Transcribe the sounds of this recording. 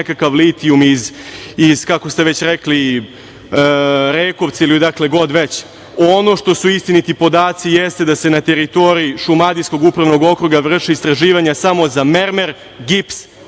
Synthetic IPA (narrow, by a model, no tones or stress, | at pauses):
kakaʋlit̪iumizːz̥kako̞st̪eʋet͡ɕɾekli | ɾeːko̞ʋt̪sailid̪akleɡo̞d̪ʋet͡ɕ | ono̞ʃt̪o̞suist̪init̪ipo̞d̪aːt̪sijest̪ed̪ase̞nat̪e̞ɾit̪o̞ɾiiʃumad̪isko̞ɡupɾaʋno̞ɡo̞kɾuɡaʋr̩ʂiist̪ɾaʒiːʋaɲasamo̞zameɾmeɾ | ɡips